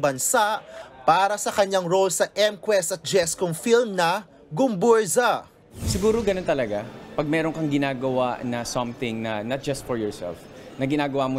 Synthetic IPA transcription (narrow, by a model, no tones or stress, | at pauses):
bɐnsaʔpaːɾɐsɐkɐɲaŋɾolsɐʔɛmkwɛst̪ɐt̪̚d͡ʒɛskoŋfilmnɐ | ɡʊmbuɹza | sɪɡuːɾoɡɐnont̪ɐlɐɡapɐɡ̚mɛːɾoŋkɐŋɡɪnaːɡɐwaʔnɐsɐmθɪ̃ŋnɐnɐt̪̚d͡ʒɐst̪fɔɹjɔɹsɛ̰lf | nɐɡɪnaːɡɐwamo